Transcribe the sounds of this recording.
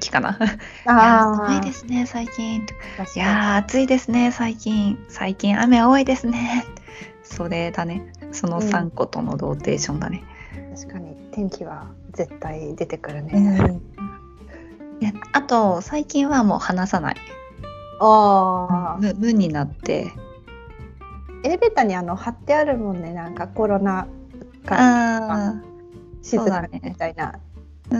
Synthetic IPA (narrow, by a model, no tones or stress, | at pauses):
kʲi̥kana̰ | aoid̪e̞sɨne̞saikʲĩt̪ojaːt͡sɨid̪e̞sɨne̞saikʲĩɰ̃sa̰ikʲĩɰ̃ʔa̰me̞ɡaoːid̪e̞sɨne̞ | so̞ɾe̞d̪ane̞so̞no̞sãŋko̞t̪o̞̰no̞̰d̪o̞ːt̪e̞̰ːɕõ̞nd̪a̰ne̞t̪aɕi̥kaɲ̟it̪ẽ̞ŋkʲiβa | ze̞t̪ːaid̪e̞t̪e̞kɯ̟ɾɯ̟ne | jaat̪o̞saikʲĩɰ̃βamo̞ːhanasana̰i | a | mɯ̟bɯ̟̃ɲ̟ːinat̪ːe̞̰ | eɾebet̪aɲ̟iano̞hat̪ːe̞aɾɯ̟mõ̞nːe̞nãŋkako̞ɾo̞na | kaa | ɕizoːɨd̪anet̪aina̰